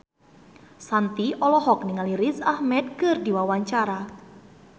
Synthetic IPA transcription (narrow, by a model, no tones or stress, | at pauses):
sant̪iʔɔlɔɦɔk̚niŋaliɾisahmɛd̪̚kɨrdiwawaɲt͡ʃaɾa